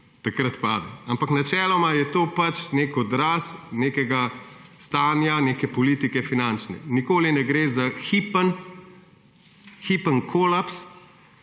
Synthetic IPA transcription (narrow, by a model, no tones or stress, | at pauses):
t̪akɾat̪pa̰ːd̪aampaknat͡ʃɛːlɔmajɛt̪oːpat͡ʃneːkɔd̪ɾaːsneːkɛɡa | st̪aːnjaneːkɛpɔliːt̪ikɛfinant͡ʃnɛ̰nikoːlinɛɡɾeːzaxipən | xipənkʰolaps